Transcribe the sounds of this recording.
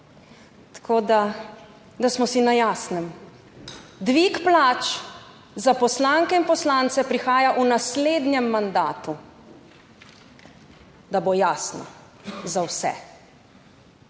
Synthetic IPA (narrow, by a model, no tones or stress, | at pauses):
t̪ḁkʰoːd̪a | d̪asmɔsinajaːsnɛm | d̪ʋikplaːt͡ʃ | zapɔslaŋkɛinpɔslant̪sɛpɾixaːjaʔunasleːd̪njɛmːand̪aːt̪u | d̪abojaːsnɔ̰ | zawsɛ̰